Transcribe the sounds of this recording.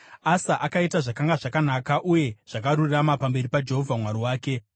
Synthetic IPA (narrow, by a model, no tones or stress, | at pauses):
asaʔakaitaʐakaŋɡaʐakanakaʔuje̞ʐ̥akaɾuriramapambe̞ɾipad͡ʒe̞ɦo̞vʱamwaɾiwaːke̞